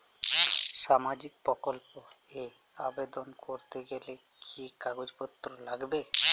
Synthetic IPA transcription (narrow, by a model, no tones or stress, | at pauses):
ʃamad͡ʒik̚pɾɔkɔlpo | e | abed̪ɔnkoɾt̪eɡele | kʰikaɡod͡ʒpɔt̪ːɾɔlaɡbe